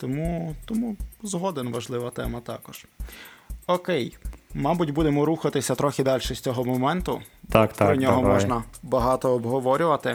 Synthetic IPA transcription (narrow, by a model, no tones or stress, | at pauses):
t̪ɔmut̪ɔmuzɦɔd̪enʋɐʒlˠɪʋɐt̪ɛmɐt̪ɑkɔʒ̥ | ɔkɛjmɑbʊtʲbud̪emɔɾuxɐt̪ɪsʲɐt̪ɾɔxʲɪd̪ɑlʲʃɛsʲt͡sʲɔɦɔmɔmɛnt̪ʊ | t̪aktt̪ɾɔnʲɔɦɔɔʒnɐbɐɦɑt̪ɔːbɦɔʋɔɾʲʊʋɐt̪ɪ